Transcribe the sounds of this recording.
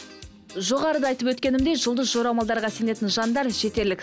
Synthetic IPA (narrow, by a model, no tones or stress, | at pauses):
ʒo̞ʁɑɾəd̪ɑɑjt̪əpwɵt̪kʲe̞nɪmd̪e̞ʒəlˠd̪əsʒo̞ɾɑwmɑlˠd̪ɑɾʁɑse̞ne̞t̪ɪnʒɑnd̪ɑɾʒe̞t̪e̞ɾlɪk